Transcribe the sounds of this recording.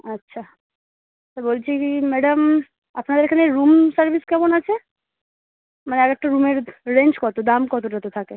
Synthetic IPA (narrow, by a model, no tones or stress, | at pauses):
atːɕʰa | t̪abolt͡ɕʰikimɛɖam | apnad̪eɾekʰaneɾumsaɾbʱiskɛmonat͡ɕʰe | maneɛkɛk̚ʈaɾumeɾɾend͡ʑkɔt̪od̪amkɔt̪oʈat̪ot̪ʰake